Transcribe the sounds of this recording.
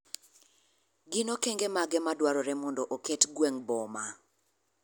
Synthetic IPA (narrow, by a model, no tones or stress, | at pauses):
ɡɪnokeŋɡemaɡɛmadwaɾɔɾɛmɔndɔʔoketɡweŋbɔma